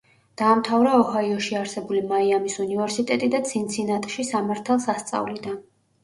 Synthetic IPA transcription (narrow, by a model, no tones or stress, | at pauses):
d̪̥aːmt̪ʰavɾaɔhaiɔʃiaɾsɛbulimaiamisunivɛɾsit̪ʼɛt̪ʼid̪at̪sʰint̪sʰinat̪ʼʃisamaɾt̪ʰalˠsast̪sʼa̰vlid̪an